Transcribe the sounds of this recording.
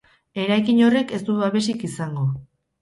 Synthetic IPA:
e̞ɾajkiɲo̞re̞ke̞st̪uβaβe̞sikisaŋɡo

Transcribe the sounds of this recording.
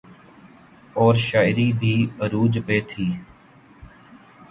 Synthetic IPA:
ɔːɾʃaːɪɾiːbʱiːəɾuːd͡ʒpeːt̪ʰiː

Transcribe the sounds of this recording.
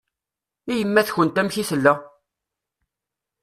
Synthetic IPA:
ijəmːæθçənt̪æmçiθəlːæ

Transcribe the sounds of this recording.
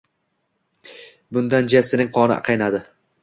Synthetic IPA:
bʊnd̪and͡ʒasɪnɪŋqʰɒnɪ̰qʰɑjnad̪ɪ

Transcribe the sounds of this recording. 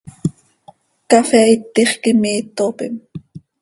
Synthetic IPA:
kɑfɛit̪ːiχkimiːt̪ːopim

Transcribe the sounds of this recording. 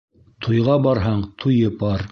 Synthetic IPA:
t̪ʰujʁɑbɑɾɦɑɴt̪ʰujɤpɑɾ

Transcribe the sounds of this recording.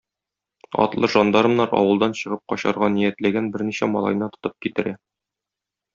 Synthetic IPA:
ɒ̰t̪lˠɤʒɒnd̪ɑɾɤ̆mnɑɾɒ̰wɤ̆lˠd̪ɑnɕɤ̆ʁɤp̚qɒɕɑɾʁɑnijæt̪læɡænbɘɾniɕæmɒ̰lˠɑ̰jnɤt̪ŏ̥t̪ɤp̚kit̪ɘ̆ɾæ

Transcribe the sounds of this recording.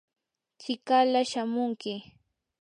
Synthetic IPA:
t͡ʃɪkalaʃamʊŋkɪ

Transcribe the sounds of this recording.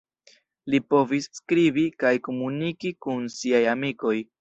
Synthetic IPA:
lipo̞visːkɾibikajko̞munikikunsiajamiko̞j

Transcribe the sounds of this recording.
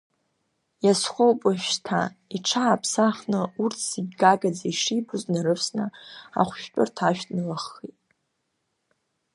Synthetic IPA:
jasχʷowpʼɨʃᶣtʰa̰iʈ͡ʂʰaːpʰsaχnɨurtʰsiɡʲɡaɡad͡zaiʂibɨznaɾɨfʰsnɨa̰χʷʃᶣt͡pʼʊrtʰaʃᶣtʼnɨlaχːitʼ

